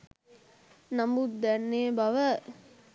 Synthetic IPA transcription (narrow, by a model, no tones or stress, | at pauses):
namud̪ænːeːbaʋə